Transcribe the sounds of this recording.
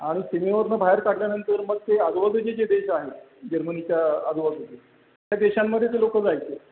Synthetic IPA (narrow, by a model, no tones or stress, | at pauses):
aɽ̃isemeʋəɾnəbʱaəɾkaɽljanənt̪əɾməɡ̚t̪ead̪ʋasud͡ʑed͡ʑed̪eɕaɦe | d͡ʑəɾmənit͡ɕjaad̪ʋasud͡ʑ̪e | t̪jad̪eɕamːəd̪ʱːjet̪elokət͡sajt͡se